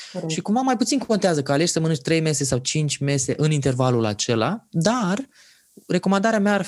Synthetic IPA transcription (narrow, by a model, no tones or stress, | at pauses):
ʃikumvamːajput̪sinkont̪eazəkəale̞ʃʲsəmənɨnt͡ʃʲt̪ɾe̞jme̞se̞sawt͡ʃint͡ʃʲme̞se̞ʔɨnint̪e̞rvalula̰t͡ʃe̞la̰d̪ar | re̞ko̞mand̪aɾeameaː